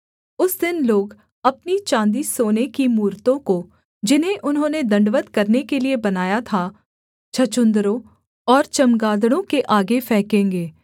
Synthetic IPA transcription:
ʊsd̪ɪnloːɡ | ɐpnit͡ʃãːnd̪isoːnekimuːɾt̪õko | d͡ʒɪnɦẽʔʊnɦõːned̪ɐ̃ɳɖʋət̪kɐɾnekeliebɐnaːjat̪ʰa | t͡ʃʰɐt͡ʃʊ̃nd̪ɾõ | ɔːɾt͡ʃɐmɡaːd̪ɽ̃õkeʔaːɡefɛɦkẽːŋɡeː

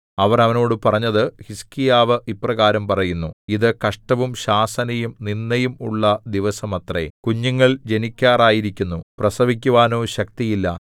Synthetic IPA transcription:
ɐʋɐrɐʋɐnoːɽɨpɐrɐɲːɐðɨhiskijaːʋɨʔipːrɐɣaːɾɐmpɐrɐjunːuiðɨkɐʂʈɐʋumɕaːsɐnɐjumninːɐjumṵɭːɐd̪iʋɐsɐmɐt̪rḛkuɲːuŋːɐɭd͡ʑe̞nikʲːaːraːjiɾikʲːunːuprɐsɐʋik̬ʲːuʋaːno̞ːɕɐk̚t̪ijilːɐ

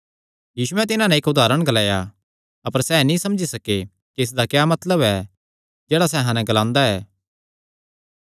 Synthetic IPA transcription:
jiːsʊɛt̪ɪnãnɛ̃ɪkʊd̪aːɾəɽ̃ɡɐlaːja | ɐpəɾsɛːnĩsɐmd͡ʒisɐke | kiɪs̬d̪akjaːmɐt̪ləbɛ | d͡ʒɛːɽas̬ɛɦãnɛɡəlãːnd̪aɛː

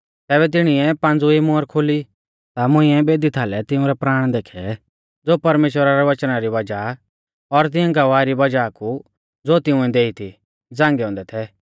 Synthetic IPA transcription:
t̪ɛːβɛt̪̬ɪɽ̃iɛpãːnd͡zuimoːɾkʰoli | t̪amʊ̃ĩɛbeːd̪it̪ʰaːlɛt̪ɪʊ̃ɾɛpɾaːɽ̃d̪eːkʰɛ | d͡zoːpɐɾmeːʃwəɾaɾɛʋɐt͡ʃnaɾiʋɐd͡ʒa | ɔɾt̪̬ɪ̃ɛ̃ɡɐʋaɾibɐd͡ʒaku | d͡zoːt̪ɪʊ̃ɛ̃d̪eːit̪ʰi | d͡zãːŋɡɛɔ̃ːnd̪ɛt̪ʰɛ

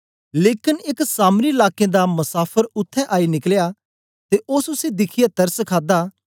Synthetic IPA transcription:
leːkɪnɪksaːmɾilaːkẽd̪amɐsaːpʰəɾʊt̪ʰːɛ̃ʔaːinɪklja | t̪eʔosʊsed̪ɪkʰɪjat̪ɐɾskʰaːd̪aː

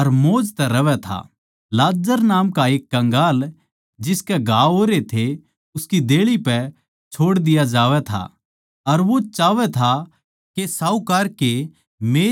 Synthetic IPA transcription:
ɐɾmoːd͡ʒt̪ɛɾɐʋɛt̪ʰa̰ | laːd͡ʒəɾnaːmkaeːkːɐ̃ŋɡaːl | d͡ʒɪskɛɡʱaːoːɾet̪ʰe | ʊskid̪eːɭipɛ | t͡ʃʰoːɽd̪ɪjad͡ʒaːʋɛt̪ʰa̰ | ɐɾʋot͡ʃaːʋɛt̪ʰa | kesaːukɐɾke | meː

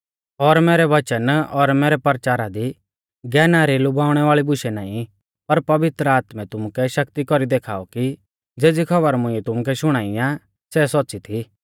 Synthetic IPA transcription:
ɔɾmeːɾɛʋɐt͡ʃənɔɾmeːɾɛpɐɾt͡ʃaːɾad̪i | ɡɛːnaːɾilʊbaːʊɽ̃ɛʋaːɭibʊʃɛnaːĩ | pɐɾpɐʋɪt̪ɾəaːt̪mɛ̃t̪ʊmʊkɛʃɐkt̪ikɔɾid̪eːkʰa̰ːɔki | d͡zeːd͡zikʰɐbəɾmʊ̃ɪ̃ɛt̪ʊmʊk̬ɛʃʊɽ̃aːiã | sɛsɔtːsit̪ʰi

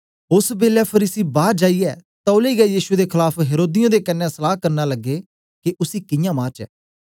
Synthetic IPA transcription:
ʊsbeːljaːpʰəɾiːsiːbaːɾd͡ʒaːiːɛːt̪ɔʊliːɡɛːjiːʃʊeːd̪eːkʰɪlaːpʰɦeːɾoːd̪ɪjõːd̪eːkənːɛ̃ːsəlaːkəɾnaːləɡːeː | kɪʔʊsiːkɪjãːmãːt͡ʃɛ̰ː

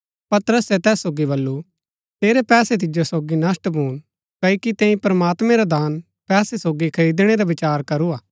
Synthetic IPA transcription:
pɐt̪əɾəsɛt̪ɛːsːoːɡibɐlːu | t̪eːɾepɛːset̪̬ɪd͡ʒosoːɡinɐsʈbʱuːñ | kɐːikit̪ẽːĩpɾɐmaːt̪mẽɾad̪aːn | pɛːsesoːɡikʰɐid̪ɪɽ̃eɾabɪt͡ʃaːɾkɐɾuaː

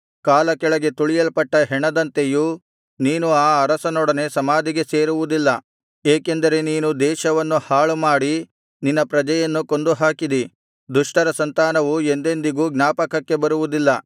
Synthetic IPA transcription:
kaːlɐkɛɭɐɡe̞t̪uɭijɐlpɐʈːɐɦɛɳɐd̪ɐnt̪e̞ju | niːnuaːɐɾɐsɐnɔɽɐne̞sɐmaːd̪ʱiɡe̞seːɾuʋud̪ilːɐ | eːke̞nd̪ɐɾe̞niːnud̪ɛːʃɐʋɐnːuhaːɭumaːɽi | ninːɐpɾɐd͡ʒɐjɐnːuko̞nd̪uɦaːkid̪i | d̪uʂʈɐɾɐsɐnt̪aːnɐʋue̞nd̪e̞nd̪iɡuːɡnaːpɐkɐkːe̞bɐɾuʋud̪ilːɐ

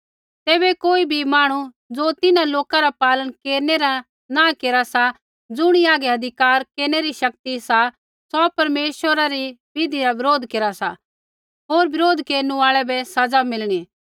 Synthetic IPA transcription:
t̪eːbɛkoːibʱimaːɽ̃u | d͡zoːt̪ɪnãloːkaɾapaːlənkeːɾneɾa | nãkeːɾasa | d͡zʊɽ̃iaːɡɛɐd̪ʱɪkaːɾkeːɾñeɾiʃɐk̚t̪isa | sɔpɐɾmeːʃwəɾaɾibɪd̪ʱiɾaʋɪɾoːd̪ʱkeːɾasa | ɦoːɾbɪɾoːd̪ʱkeːɾnũaːɭɛbɛsɐd͡zamɪlɽ̃iː

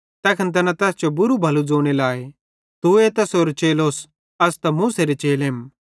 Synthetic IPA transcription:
t̪ɛːkʰɐnt̪̬ɐnãt̪ɛːst͡ʃobʊɾubʱɐlud͡zoːɽ̃elaːe | t̪uet̪ɐsoːɾt͡ʃeːloːs | ɐst̪ɐmũːseɾet͡ʃeːleːm

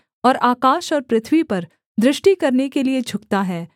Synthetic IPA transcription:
ɔːɾaːkaːʃɔːɾpɾɪt̪ʰwipɐɾ | d̪ɾɪʃʈikɐɾnekelied͡ʒʱʊkt̪aɦɛː

